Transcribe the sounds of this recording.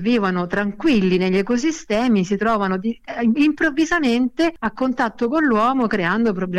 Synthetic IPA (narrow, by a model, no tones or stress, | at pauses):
viːvanot̪ɾaŋkwilːineʎːɛkos̬ist̪ɛːmisit̪ɾɔːvanod̪iimpɾovːizament̪eakːont̪at̪ːokonlːwɔːmokɾeand̪opɾobl